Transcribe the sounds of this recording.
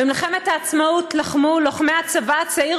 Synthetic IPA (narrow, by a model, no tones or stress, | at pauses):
bimlχemet̪haːt͡smautlaχmuloχmeat͡savat͡sai